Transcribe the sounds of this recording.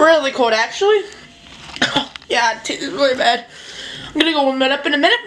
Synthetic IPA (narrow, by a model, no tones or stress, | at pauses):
ɹɪlˠikʰulˠdæk̚t͡ʃul̩ˠi | oʊjætʰɪɹɪlˠibæd̥̚aɪ̃mɡʌnɨɡoʊʌ̃nmɨ̃ɾʌpɨ̃nɨmɪ̃nɨt̚